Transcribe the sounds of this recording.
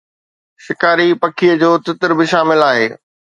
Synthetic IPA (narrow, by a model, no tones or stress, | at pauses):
ʃɪkaːɾipɐkʰiəd͡ʑoːt̪ɪt̪ɪɾbɪʃaːmɪlaːɦeː